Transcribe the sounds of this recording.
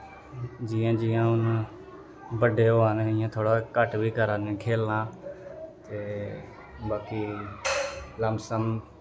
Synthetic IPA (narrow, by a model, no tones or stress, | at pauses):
d͡ʒɪːãːd͡ʒɪːãːʊn | bəɖʱeːoaːneɪjãːt̪ʰoːɽaːkəʈʋiːkəɾaːnẽːkʰeːlːãː | t̪eː | baːkiː | ləmsəm